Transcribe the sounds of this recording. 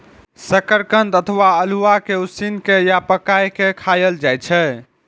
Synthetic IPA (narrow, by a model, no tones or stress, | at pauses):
səkəɾkə̃nd̪ət̪ʰəʋaəluʋakeusinkejapəkajkekʰajəld͡ʒajt͡ʃʰɛ